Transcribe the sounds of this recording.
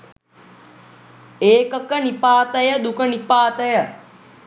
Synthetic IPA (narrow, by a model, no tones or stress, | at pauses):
eːkəkənipaːt̪əjəd̪ukənipaːt̪əjə